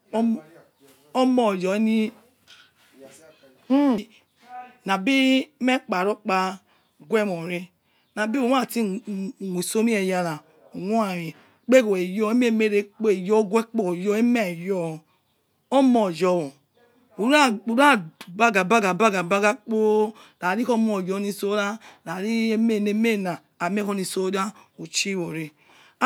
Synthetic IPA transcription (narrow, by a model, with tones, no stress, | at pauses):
o˦mɔ˨d͡ʒɔ˨˦ni˦ | na˨bi˦me˦k͡pa˨ɾo˦k͡pa˦ | ɡwe˦˨mo˨ɾi˦ | na˨bi˦o˨˦˨ti˦˨wʷu˨so˦ni˦e˨ja˨ɾa˨ | o˨wo˦a˨ɾi˨ | k͡pe˦ko˨e˨jo˦e˦me˦˨me˦ɾe˦k͡po˦e˨jo˦ɡʷe˦k͡po˦˨jo˦e˦me˦˨jɔ˦˨ | o˦mɔ˨d͡ʒɔ˨wo˨ | u˨ɾa˦u˨ɾa˦˨ba˦ɡa˨ba˦ɡa˨ba˦ɡa˨ba˦ɡa˦k͡po˦ | la˨ɾi˦ko˦m˦o˨jo˨˦ni˧so˦ɾa˦la˨ɾi˦me˦˨ne˨˦me˦˨naː˨me˦ko˧˦ni˧so˦da˦ | o˨t͡ʃi˦wo˨ɾi˧